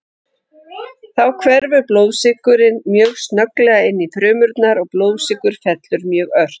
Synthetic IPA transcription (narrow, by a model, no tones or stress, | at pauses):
θawkʰvɛɾvʏploːwðsɪkʏɾɪnmjœːɣst̪nœklɛːɣaɪnːifɾʏːmʏɾt̪naɾɔɣploːwðsɪkʏɾ̥fɛt̪lʏɾmjœːɣœɾ̥t̪